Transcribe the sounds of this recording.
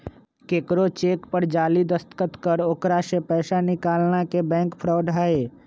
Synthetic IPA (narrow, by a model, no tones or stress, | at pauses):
keːkɾot͡ʃeːkpəɾd͡ʒaːlid̪əst̪kət̪kəɾokɾasepɛːsanɪkaːlnakebɛ̃ːŋkpʰɾɔːɖʱaːeː